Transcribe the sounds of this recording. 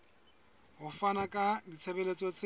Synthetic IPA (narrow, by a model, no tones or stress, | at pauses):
ɦʊfanakʼadit͡sʰebelet͡sʼɔt͡sʼ